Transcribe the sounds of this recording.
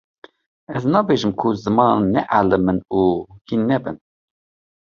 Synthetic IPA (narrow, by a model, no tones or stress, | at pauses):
ɛznɑːbeʒɨmkʰuzɨmɑːnnnːɛʔalɨmɨnuːhinːɛbɨ̰n